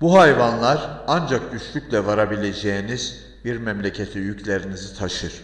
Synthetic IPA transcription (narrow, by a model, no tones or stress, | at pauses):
buɦajvanlˠaɾand͡ʒak̚d̪yʃlʲycʲlʲɛvaɾabilʲe̞d͡ʒejiniz | biɾmɛmlʲecʰet̪ʰijycʰlʲe̞ɾinizit̪ʰaʃɯɾ̥